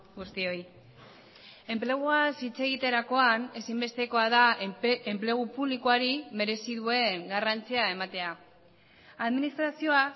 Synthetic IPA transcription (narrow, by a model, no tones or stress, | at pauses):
ɡust̪io̞j | e̞mple̞ɣ̞uasit͡se̞ɣ̞it̪e̞ɾako̞ane̞simbe̞st̪e̞ko̞aðaemple̞ɣ̞upuβlikoaɾime̞ɾe̞siðue̞ŋɡarant͡siae̞mat̪e̞a | aðminist̪ɾasio̞a